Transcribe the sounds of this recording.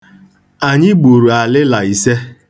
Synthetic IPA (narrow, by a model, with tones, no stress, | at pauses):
a˨ɲɪ˦ɡ͡bu˨ɾu˨a˨lɪ˦la˨i˨se˦